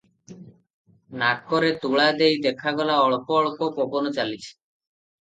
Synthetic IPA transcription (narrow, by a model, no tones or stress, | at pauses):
nakʰɔɾet̪uɭad̪ejd̪ekʰaɡɔlaɔɭɔpɔːɭɔpɔpɔbɔnɔt͡ʃalit͡ʃʰi̥